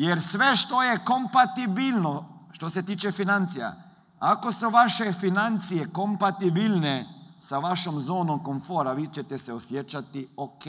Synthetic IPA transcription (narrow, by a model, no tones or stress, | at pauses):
jeɾsʋeʃt̪ojeko̞mpat̪ibilnoʃt̪o̞set̪iːt͡ʃefinant̪sija̰ | ako̞suʋaʃefinant̪sijeko̞mpat̪ibilnesaʋaʃomzo̞ːnomko̞ɱfo̞ːɾaʋiːt͡ʃet̪eseosjet͡ʃat̪ioke